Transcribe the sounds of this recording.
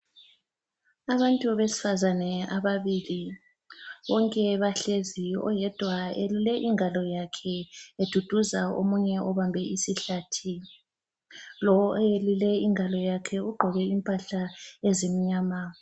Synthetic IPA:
aβantʼuβesi̥fazanɛaβaβili | βɔŋkʼɛβaɬeziɔ̰jɛd̥ʱwaelulɛʔiŋʱalɔjakʰɛed̥ʱud̥ʱuzao̰muɲɛʔɔβambʱɛisiɬatʰi | lɔelulɛiŋʱalɔjakʰɛuɡ͡ǃʱɔɣɛimpʼaɬaezemiɲaːma

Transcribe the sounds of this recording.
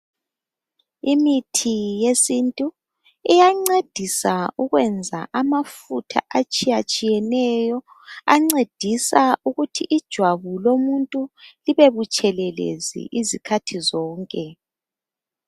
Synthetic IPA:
imitʰijesintʼu | ijaŋ͡ǀed̥ʱisauɣwɛnd͡zʱa̰ʔamafutʰa̰ʔat͡ʃʼijat͡ʃʼijɛnɛjɔ | aŋ͡ǀed̥ʱisauɣutʰiʔid̥ʒ̥ʱwaβulomuntʼuliβeβut͡ʃʼɛlɛlḛzḭʔizikʰatʰizɔːŋkʼɛ

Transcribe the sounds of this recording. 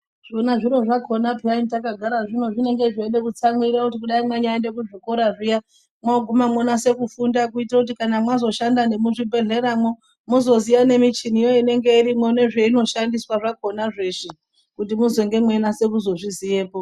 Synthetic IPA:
ʐ̥o̞naʐiɾo̞ʐako̞naplaimtakaɡʱaɾaʐino̞ʐine̞ŋɡe̞ʐene̞kut͡samwiɾakutikuɗaimweɲajendekuʐiko̞ɾaʐija | mwaoɡʱumamonase̞kufundak̬uitirakut̬ikanamwazo̞ʃandane̞muʐibʱe̞ɮe̞ɾamwo | muzo̞zijane̞mit͡ʃinijoine̞ŋɡe̞iɾimwone̞ʐe̞ino̞ʃandiswaʐako̞naʐe̞ʐi | kutimuzeŋɡe̞mwe̞nase̞kuzo̞ʐizije̞ːpo̞

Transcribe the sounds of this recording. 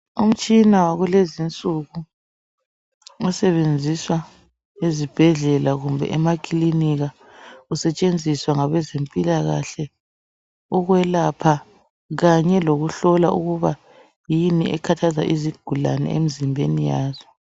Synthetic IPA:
um̩t͡ʃʼinawaɣulezint͡sʼuɣu | ɔsɛβend͡zʱiswa | ezib̥ʱɛɮɛlaɣumbʱɛ̰ʔɛmakʰʼiliniɣa | usɛt͡ʃʼend͡zʱiswaŋaβɛzempʼilaɣa̰ɬɛ | ɔɣwɛlapʰa | ɣaɲɛloɣuɬɔlauɣuβa | jiniʔɛkʰatʰaza̰ʔiziɡ̥ʱula̰nɛ̰ḛmizimbʱḛnijaːzɔ

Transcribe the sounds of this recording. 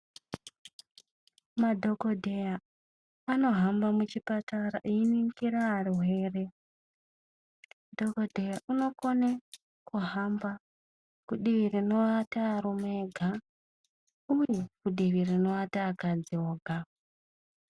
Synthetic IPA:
madʱo̞ɡo̞dʱeja | ano̞ɦambamut͡ʃipataɾaʔiiniŋkiɾaːruɦe̞ːre | dʱoko̞dʱejaʔuno̞ko̞ne | kʰuɦamba | kuɗiʋirino̞ataːɾumeɡʱa | ujekuɗiʋirino̞ataːkad͡zioːɡʱa

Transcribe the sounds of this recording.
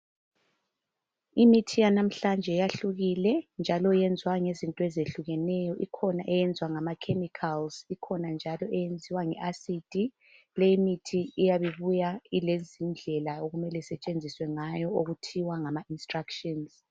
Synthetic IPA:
imitʰijanam̩ɬand͡ʒʱɛjaɬuɣilɛnd͡ʒʱalɔjɛnd͡zʱwaŋezintʼɔezeɬuɣɛnɛjɔʔikʰɔnaʔɛjɛnd͡zʱwaŋamakʰemikʰalzikʰɔnand͡ʒʱalɔʔɛjend͡zʱiwaŋɛ̰ʔasid̥ʼʱi | leimitʰiːjaβiβujailezind͡ɮʱɛlaoɣumɛlɛsɛt͡ʃʼend͡zʱiswɛŋajɔoɣutʰiwaŋamainstrakʃɔnz̥

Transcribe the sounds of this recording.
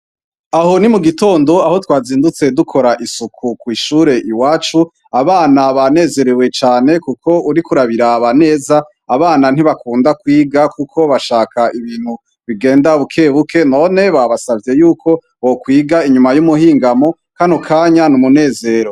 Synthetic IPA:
aɦo̞nimuɡito̞ːndo̞aho̞twaːziːndut͡se̞dukʰo̞ɾaʔisukʰukwiːʃuːɾe̞ʔiwaːt͡ʃu | aβaːnaβane̞ːze̞ɾewe̞t͡ʃaːne̞kukʰo̞uɾikuɾaβiɾaβane̞ːzaː | βaːnan̥iβakuːndakwiːɡakukʰo̞βaʃaːkʰaiβiːn̥hu | βiɡe̞ːndaβukʰe̞ːβukʰe̞no̞ːne̞βaβasavje̞juːkʰo̞ | wokwiːɡaiɲumajumuhiːŋɡamo̞ | kanokʰaːɲanumune̞ːze̞ɾo

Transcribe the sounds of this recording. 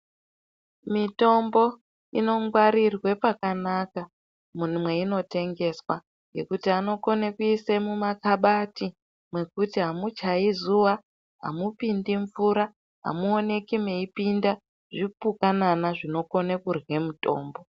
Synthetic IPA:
mito̞mbo̞ | ino̞ŋɡwaɾirwe̞pakanaka | mumwe̞ino̞te̞ŋɡe̞swa | je̞̰kutiano̞ko̞nekuisemumakaɓati | mwe̞kutiɦamut͡ʃaizuwa | ɦa̰mupindiɱfuɾa | ɦa̰muone̞kimeipinda | ʐipukananaʐino̞ko̞nekurwe̞muto̞̰ːmbo̞

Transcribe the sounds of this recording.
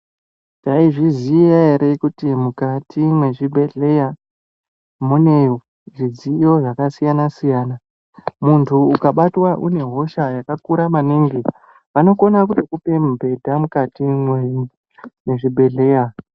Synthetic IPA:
taiʐiziaeɾekutimukatimwe̞ʐibʱe̞ɮe̞ja | mune̞ | ʐizijo̞ʐakasijanasijaːna | muntʰuːkaɓatwaʔune̞ɦo̞ʃajakakuɾamaniŋɡe | ʋano̞ko̞nak̬utokupe̞mbʱe̞dʱamukatimwe | ne̞ʐibʱe̞ɮe̞ːja

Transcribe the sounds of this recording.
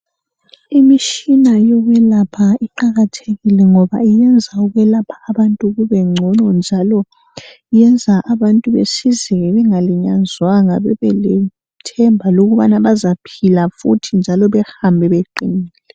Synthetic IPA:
imiʃinajoɣɛlapʰaiǃaɣatʰeɣilɛŋɔβa̰ijɛnd͡zʱauɣɛlapʰḁːβantʼuɣuβɛŋ͡ǀʱɔnɔnd͡ʒʱalɔ | ijɛnd͡zʱaʔaβantʼuβḛsizɛɛβɛŋaliɲanzwaŋaβɛβɛlɛ | tʰɛmbʱaloɣuβanaβazapʰilafṵtʰind͡ʒʱalɔβɛhambʱɛβeǃiniːlːlɛ

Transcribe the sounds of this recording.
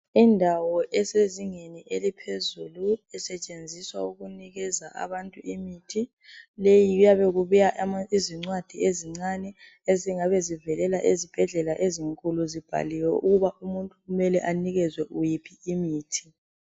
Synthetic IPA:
indʱawɔʔɛseziŋeniʔelipʰezuluɛsɛt͡ʃʼend͡zʱiswa̰uɣuniɣɛzaʔa̰βantʼuʔimitʰi | lejiɣujaβɛɣuβujaʔaiziŋ͡ǀwad̥ʱieziŋ͡ǀanɛ | eziŋaβɛzivɛlɛlaʔezib̥ʱɛɮɛlaʔeziŋkʼuluzib̥ʱa̰liwɛʔuɣuβaʔumuntʼuɣumɛlɛʔaniɣɛzwɛʔujipʰiimiːtʰi̥

